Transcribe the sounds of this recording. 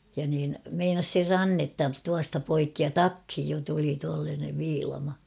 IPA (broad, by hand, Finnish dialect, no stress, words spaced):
jɑ niːn meinɑs ser rɑnːetːɑ tuɑstɑ poikːi jɑ tɑkhij jo tuli tuɑlːɑːneʋ ʋiːlɑmɑ